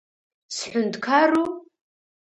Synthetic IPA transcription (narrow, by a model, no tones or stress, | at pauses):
sħʷʊntkʰaru